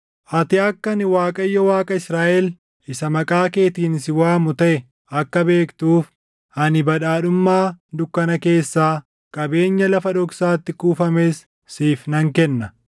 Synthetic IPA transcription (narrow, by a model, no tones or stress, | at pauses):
ʔɐt̪ɪɐkːɐnɪwaːkʼɐjːɔwaːkʼɐɪsɾaːʔɛl | ɪsɐmɐkʼaːke̞ːt̪iːnsɪwaːmʊt̪ɐʔɛ | ɐkːɐbe̞ːkt̪uːf | ʔɐnɪbɐᶑaːᶑʊmːaːd̪ʊkːɐnɐke̞ːsːaː | kʼɐbe̞ːɲːɐlɐfɐᶑɔksaːt̪ːɪkuːfɐmeːsː | iːfnɐŋkɛnːɐ